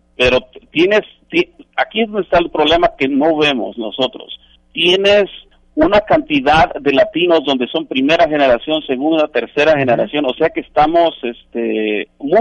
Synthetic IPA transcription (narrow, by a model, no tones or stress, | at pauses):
pe̞ɾo̞t̪je̞ne̞s | t̪jeakiezðonest̪aelpɾoβle̞make̞no̞βe̞mo̞̰sno̞so̞t̪ɾo̞̰s | t̪je̞ne̞s | unakant̪iðaðːe̞lat̪ino̞zðo̞nd̪e̞so̞mpɾime̞ɾaxe̞ne̞ɾasjo̞nse̞ɣund̪at̪e̞ɾse̞ɾaxe̞neɾasjo̞no̞se̞ake̞ːst̪amo̞se̞st̪emu